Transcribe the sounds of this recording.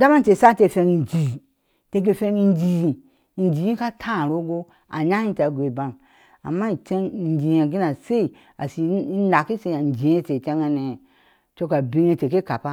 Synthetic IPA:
da˦ma˦n˦t͡ʃe˨sa˦te˧˨fe˧ŋ˧˨nd͡ʒi˨ | te˧k̬e˧fe˧ŋi˧n˦d͡ʒi˨i˨ | n˦d͡ʒi˨i˦ka˦tʰã˦˨ɾo˦ɡo˦ | a̰˨ɲa˦hi˦ta˨ɡʷe˨ba˦m | a̰˨mːa˦i˨t͡ʃe˦ŋ˨n˨d͡ʒi˨ja˨ɡi˦na˨se˦i˨ | a˨si˨˦a˨ki˦se˧˦a˨n˨d͡ʒi˨je˦t͡ʃe˨t͡ʃe˦ŋa˧ne˨ | t͡ʃo˦ka˨bi˦ŋe˧t͡ʃe˨ke˦ka˨pa˦

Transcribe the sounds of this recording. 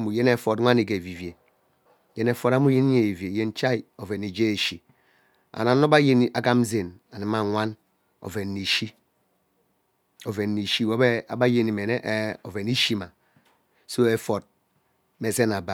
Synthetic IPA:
mu˨je˦ne˦fo˨tŋʷa˦ni˨ɡe˨vi˨vje˨ | je˦ne˦fo˦ɾa˦mu˦je˦ni˦ɲe˨i˨ve˨je˦n˦t͡ʃa˦i˨o˨ve˨ni˨d͡ʒe˦e˨ʃi˨ | a̰˨na˨no˦ba˦je˦n˦a˨ɡa˦m˦ze˨na˨ni˨ma˨ŋʷa˦n | o̰˨ve˨nːi˨ʃi˦ | o˨ve˨nːi˨ʃi˦wo˦be˦a˨ba˦je˨ni˨me˨ne˦ʔo˨ve˨ni˦ʃi˦ma˨ | so˦e˦fo˨t̚ | me˦˨se˦na˨ba˨

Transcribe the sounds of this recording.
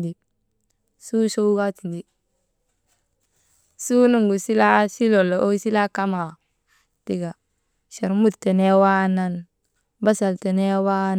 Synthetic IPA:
di˨ | su˦so˦wɡa˦ti˨ndi˨ | su˦nu˨ŋɡu˨si˦la˦si˦lo˨lo˨ʔo˦si˦la˦ka˦ma˨ | ti˨ɡa˨ | ʃe˨ɾmu˦˨tːe˨ne˦wa˦na˨n | ba˦sa˨lte˨ne˦wa˦

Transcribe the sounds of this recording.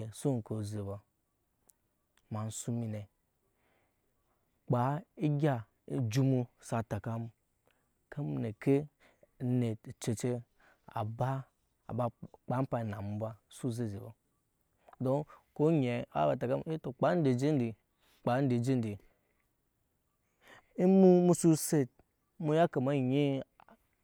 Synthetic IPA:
e˨so˦ŋ˨ko˨ze˨ba˨ | ma˨n˨˦su˦mi˨ne˨ | k͡pa˨˦i˦ɡʲa˦˨ | d͡ʒu˦mu˦sa˨ta˨ka˦m˦ | ka˦m˦ne˨kʰe˦ | ne˨t͡ʃe˨t͡ʃe˦ | a̰˨ba˦ | a̰˨ba˨k͡pa˨˦pa˨na˨m̩˨˦ba˦su˦ze˦˨zi˨bo˦ | do˦ko˦ɲe˨˦a̰˦ba˨ta˨ka˦m˦i˦to˨k͡pa˨˦n̩˦de˨d͡ʒi˦n˦di˨ | k͡pa˨˦n˦di˨d͡ʒi˦n˦di˨ | i˦mu˦mu˦su˦se˦t̚ | mu˦ja˦ka˨ma˦˨ɲi˦

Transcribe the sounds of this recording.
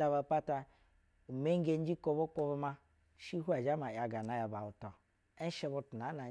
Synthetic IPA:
da˧ba˨pa˦ta˧˨ | me˦ŋ˦ɡe˦n̩˦d͡ʒi˦ko˧bo˦ko˧bo˧ma˦ | ʃi˦ɦu˦a˨d͡ʒa˦ma˨ja˨ɡa˨na˨ja˨ba˨u˨tɔ˨ | e˦n˦ʃe˧bu˧tu˨na˨˦na˨

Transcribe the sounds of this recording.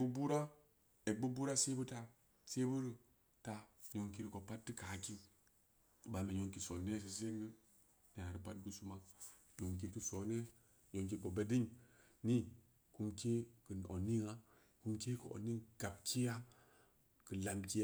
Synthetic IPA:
bu˦bu˦ɾa˦ | e˨bu˦bu˦ɾa˦se˦bɨ˦ta˦ | se˦bu˦ɾɨ˨ | ta˨ɲo˨ŋki˦ɾi˨ko˨pa˦tːɨ˦ka˨˦ki˦ | ba˨me˨ɲo˨ŋki˨so˨ne˦˨s̬i˨s̬e˦ŋɡə˦ | n˨a˨ɾi˨pa˦t̚ɡu˦su˦ma˦ | ɲo˨ŋk̬i˨kɨ˦so˨˦ne˦ | ɲo˨ŋk̬i˨ko˨be˦di˦ | ni˦ | ku˨˦mke˦kɨ˨n˨o̰˨nːi˦ŋa˦ | ku˦mke˦kɨ̰˨o̰˨nːi˦ŋɡ̥a˨bkʰi˦ja˦ | kɨ˨la˨mki˦

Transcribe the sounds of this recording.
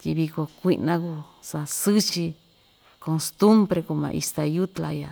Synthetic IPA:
t̪i˧βi˧ko˧kʷi˧nã˧ku˧ | sa˧sɨ˦t͡ʃi˧ | ko˧st̪u˦mbɾe˧ku˧mã̰˧ʔḭ˧st̪a˧ju˦t̪la˧ja˨˧

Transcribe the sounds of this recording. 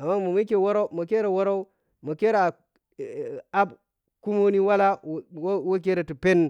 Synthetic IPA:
a˨mːa˦mo˨mi˦ke˦wo˦ɾa˦u˦mo˨ke˦ɾe˨wo˦ɾa˦u˦ | mo˨ke˦ɾa˨ | a˦b | ku˦mo˦ni˦wa˦la˦˨wwo˦k̬e˦ɾe˨tu˨pe˦n

